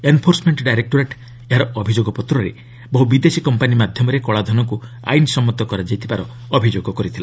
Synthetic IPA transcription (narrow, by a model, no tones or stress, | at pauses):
enpʰoɾsmeɳʈɖajɾek̚ʈoɾeʈ | eɦaɾɔɔbʱid͡ʒoɡɔpɔt̪ɾɔɾe | bɔɦubid̪esikɔmpanimad̪ʱjɔmɔɾekɔɭad̪ʱɔnɔku | a̰jnsɔmɔt̪ɔkɔɾad͡ʒajt̪ʰibaɾɔː | bʱid͡ʒoɡɔkɔɾit̪ʰila